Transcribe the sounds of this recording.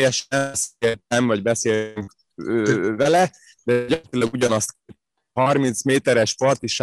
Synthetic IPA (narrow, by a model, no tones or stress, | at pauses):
jɛʃseːlt̪ɛɱvɒɟbɛseːyŋk | øvɛlɛ | d̪ɛɟɒt̪ilɒɡuɟɒnɒst̪k | hɒrmint̪smeːt̪ɛɾɛʃpɒrt̪iʃ